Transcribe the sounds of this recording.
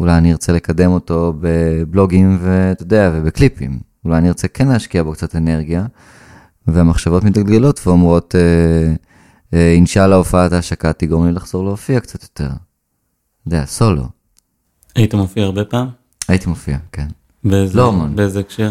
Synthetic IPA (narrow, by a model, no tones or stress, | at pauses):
ulajaniʁt͡sele̞kade̞mo̞to̞be̞blo̞ɡimve̞t̪odeavebeklipḭm | ulajaniʁt͡sekʰenlehaʃkiabo̞kt͡satene̞ʁɡija | veamaχʃavo̞tmitalɡelo̞tveomʁo̞te | inʃalaofaataʃakatiɡomlilaχz̥o̞ʁleofiakt͡sat̪jo̞te̞̰ʁ | od̪ea̰so̞lo̞̰ | ajitimofiaːʁbepaːm | ajitimofiaken | beezlomonbeezeekʃe